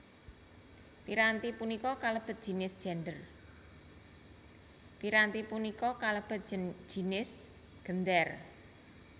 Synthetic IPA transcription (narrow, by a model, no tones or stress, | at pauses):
piɾant̪ipunikɔkaləb̥ə̤t̪̚d̥ʒ̥i̤nɪsd̥ʒ̥ɛ̤ndər | piɾant̪ipunikɔkaləb̥ə̤t̪̚ʒ̥i̤nɪs | ɡ̥ənd̪ɛr